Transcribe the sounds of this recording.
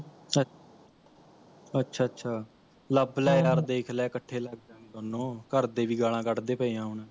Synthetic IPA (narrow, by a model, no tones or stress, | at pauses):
ə | ətːʃʰaːətːʃʰaː | ləblɛːaːɾd̪eːkʰlɛːkəʈʰːeːləɡ̚d͡ʒãːt̪aːnõːkəɾd̪eːʋiːɡaːɽ̃ãːkəʈd̪eːpəiːjãːɦʊnɛ̃ː